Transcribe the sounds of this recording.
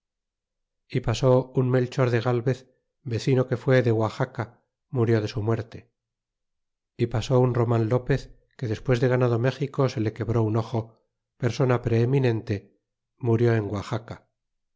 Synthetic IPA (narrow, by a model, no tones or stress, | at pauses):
ipaso̞unmelt͡ʃoɾðe̞ɣalβe̞θ | be̞θino̞ke̞fwe̞ðe̞ɣwaxaka | muɾjo̞ð̞e̞sumweɾt̪e̞ | ipasounro̞mãnlo̞pe̞θ | ke̞ðe̞spwe̞zðe̞ɣ̞anaðo̞me̞xiko̞se̞le̞ke̞βɾo̞uno̞xo̞ | pe̞ɾso̞napɾe̞ːminẽ̞nt̪e̞ | muɾjo̞e̞ŋɡwaxaka